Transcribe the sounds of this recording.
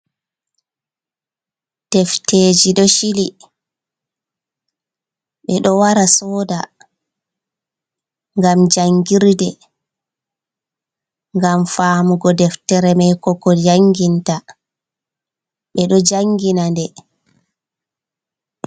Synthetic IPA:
d̥ɛfteːd͡ʒiɗɔʃili | ɓɛɗɔwaɾasɔːda | ŋɡamd͡ʒaŋɡiɾdɛ | ŋɡamfaːmuɡɔdɛftɛɾɛmajkɔkɔd͡ʒaŋɡinta | ɓɛɗɔd͡ʒaŋɡinandɛ

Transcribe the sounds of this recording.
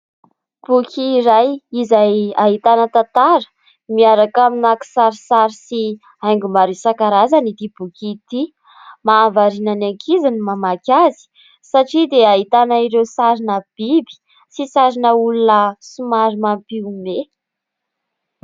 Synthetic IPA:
b̥ukʲʰiːɾajizajaɦit̪anət̪at̪aɾə̥ | miaɾakaminaki̥saɾisaɾisi | ajŋɡumaɾisakaɾazanit̪ib̥ukʲit̪i | maːvaɾinanaŋkʰizanimamakʲazi̥ | saʈ͡ʂid̪eaɦit̪anaiɾewsaɾinəb̥ibi̥ | sisaɾinəulunəsumaɾimampiume

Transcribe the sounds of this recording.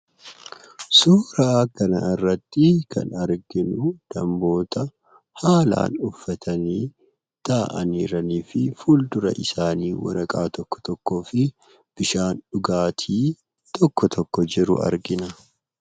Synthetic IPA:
suːɾɐːkɐnɐɪrːɐt̪ːɪkɐ̰nɐɾɡɪnʊd̪̥ɐmbo̞ːt̪ɐ | haːla̰ːnʊfːɐt̪ʰɐniː | t̪aːʔɐnḭːɾɐniːfɪfuːld̪ʊɾɐ̰ʔɪsaːniːwɐ̰ɾɐkʼaːt̪ɔkːɔ̥t̪ɔkːo̞ːfɪ | b̥ɪʃaːnᶑʊɡaːt̪ʰiː | t̪ʰɔkːɔt̪ʰɔkːɔd͡ʒɪɾʊ̰ʔɐ̰ɾɡɪnɐ

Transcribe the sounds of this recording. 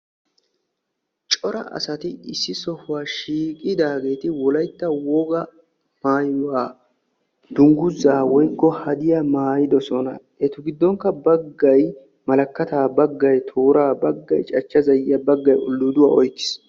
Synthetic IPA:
t͡ʃʼɔɾɐ̰ʔɐ̰sɐt̪ɪɪsːɪsɔhʊwaːʃiːkʼɪd̪aːɡe̞ːt̪ɪwɔlɐjt̪ːɐwɔɡɐ | maːjʊwaː | d̪̥ʊŋɡʊzaːwɔjkːɔhɐd̪ɪjɐmaːjɪd̪ɔsɔnɐ̰ | ɛt̪ʊɡɪd̪ːɔŋkːɐbɐɡːɐj | mɐlɐkːɐt̪aːbɐɡːɐjt̪ʰoːɾaːbɐɡːɐ̰jt͡ʃʼɐt͡ʃːɐzɐjɪjɐbɐɡːɐjʊ̰lːʊd̪ʊwa̰ːɔjkːɪ̥s

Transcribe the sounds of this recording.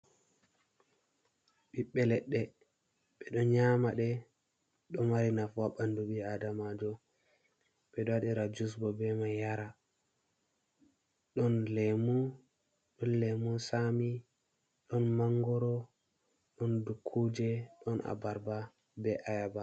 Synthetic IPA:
ɓiɓːɛlɛɗːɛ | ɓɛɗɔnɲamaɗɛ | ɗɔnmaɾinafaɓanduɓiadamad͡ʒɔ | ɓɛɗɔwaɗiɾad͡ʒus̬bɔbɛmajaɾa | ɗɔnlɛmu | ɗɔnlɛmunsami | ɗɔnmaŋɡɔɾɔ | ɗɔndukʰːud͡ʒɛɗɔnʔa̰baɾba | bɛʔajaba

